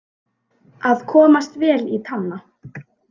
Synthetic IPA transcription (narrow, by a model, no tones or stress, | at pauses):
aðkʰɔːmast̪vɛːlit̪ʰanːa